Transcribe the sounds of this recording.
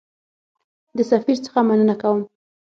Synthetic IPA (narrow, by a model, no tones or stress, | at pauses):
d̪əsafiɾt͡sə̥xamanənakawəm